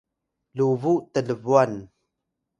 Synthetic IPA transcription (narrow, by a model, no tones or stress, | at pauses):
luvuʔt̪ələvuən